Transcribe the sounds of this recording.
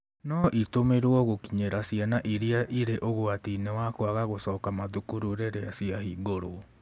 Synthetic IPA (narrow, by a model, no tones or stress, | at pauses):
nɔʔitomeɾowɔɣokiɲeɾasianaʔiɾiaʔiɾeʔoɣoatinewakoaɣaɣosɔːkamaðukuɾuɾeɾeasiaɦiːɡoɾo